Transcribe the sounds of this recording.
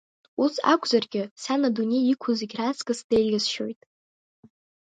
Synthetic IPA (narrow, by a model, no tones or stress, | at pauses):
usa̰kʷʰʼzarɡʲɪsanadunʲe̞jikʷʰʊziɡʲrat͡skʼɨsdejlʲasʃojtʼ